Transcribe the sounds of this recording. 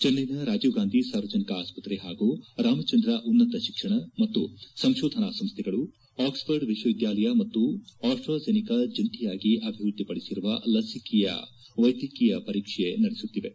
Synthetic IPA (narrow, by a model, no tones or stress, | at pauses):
d͡ʒɐnːɐjnɐɾaːd͡ʒuːɡaːnd̪ʱisaːɾʋɐd͡ʒɐnikɐaːspɐt̪ɾeɦaːɡuɾaːmɐt͡ʃɐnd̪ɾɐʔunːɐt̪ɐʃikʂɐɳɐmɐt̪ːusɐmʃɔːd̪ʱɐnasɐmst̪ʰɛɡɐɭu | aːkspɐɾɖʋiʃwɐʋid̪jaːlɐjɐmɐt̪ːuaːsʈɾoːd͡ʒenikɐd͡ʒɐnt̪ijaːɡiʔɐbʱiʋɾud̪ːipɐɽisiɾuʋɐlɐsikijɐ̰ | ʋɐjd̪jikijɐpɐɾiːkʂenɐɽesut̪ːiʋe̞